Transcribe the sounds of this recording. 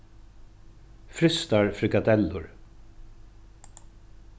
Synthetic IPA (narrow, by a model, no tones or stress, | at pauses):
fɾʏst̪aɹfɾɪkad̪ɛlːʊɹ